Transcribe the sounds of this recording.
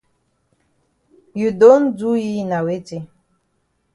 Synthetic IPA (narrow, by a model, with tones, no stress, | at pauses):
ju˨do˦n˦d͡zu˦ji˦na˨we˦d͡ʒi˦